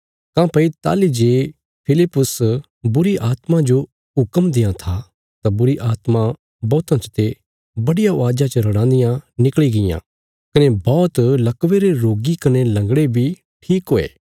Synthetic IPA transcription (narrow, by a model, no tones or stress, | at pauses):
kãːpɐit̪a̰ːlid͡ʒeː | pʰɪlɪpːʊs | bʊɾiʔaːt̪mãd͡ʒo | ɦʊkəmd̪ɪjãt̪ʰa | t̪abʊɾiʔaːt̪ma | bɔːt̪ãt͡ʃə̥t̪ʰe | bɐɽɪjaʊaːd͡ʒat͡ʃəɾɐɽãːnd̪ɪjãnɪkɭiɡɪjã̰ | kɐnebɔːt̪lɐkʋeɾeɾoːɡikɐnelɐ̃ŋɡɽebʱi | ʈʰiːkɦoːḛː